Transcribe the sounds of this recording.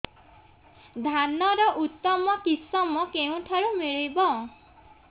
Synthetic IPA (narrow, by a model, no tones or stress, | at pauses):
d̪ʱanɔɾɔʔut̪ːɔmɔkisɔmɔkeũʈʰaɾumiɭibɔ̃